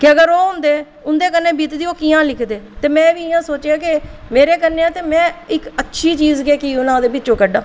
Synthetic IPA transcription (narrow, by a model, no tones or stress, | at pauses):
kɪəɡəɾoːɦʊ̃nd̪eː | ʊnd̪eːk̬ənːeːbiːt̪d̪iːoːkiːãːlɪkʰd̪eːt̪eːmɛ̃ːʋiːɪjãːsoːt͡ʃeaːkɪmeːɾeːkənːeːãːt̪eːmɛ̃ːɪkətːʃʰiːt͡ʃiːzɡeːkiʊnãːd̪eːbɪtːt͡ʃõːkəɖãː